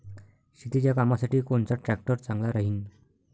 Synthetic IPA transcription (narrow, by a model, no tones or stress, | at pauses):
ɕit̪it͡ɕjakamasaʈiːkoɳt͡saʈɾæk̚ʈəɾt͡sãŋɡlaɾaɦiːn